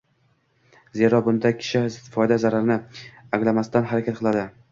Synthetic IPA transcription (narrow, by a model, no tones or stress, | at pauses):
ze̞ɾɒbʊnd̪akʲʰɪ̥ʃɪɪt̪ɪ̥fɒjd̪azaɾaɾnɪaŋlamast̪anɦaɾakʲat̪̚qʰɨlˠad̪ɪ